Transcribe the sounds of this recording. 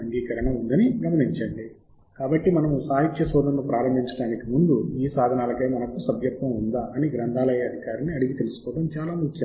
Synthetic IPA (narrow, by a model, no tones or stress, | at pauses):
ɐŋɡiːkɐɾɐɳɐund̪ɐniɡɐd̪ɐniɲt͡ʃɐɳɖi | kaːbɐʈːimɐnɐmusaːɦit̪jɐsɔːd̪ʱɐnːupɾaːɾɐmbʱiɲt͡ʃɐɽaːnikimund̪uiːsaːd̪ʱɐnaːlɐke̞ːmɐnɐkusɐbjɐkt̪ʋɐmund̪aːʔɐniɡɾɐnd̪ʱaːlɐjɐɐd̪ʱikaːɾiniɐɽiɡit̪e̞lusu̥kɔːʈ̪ɐmt͡ʃaːlaːmukːɐ